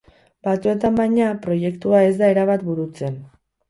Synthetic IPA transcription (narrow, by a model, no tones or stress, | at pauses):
bat͡s̪ue̞t̪ambajɲapɾo̞je̞kt̪uae̞zd̪aeɾaβat̪buɾut͡se̞n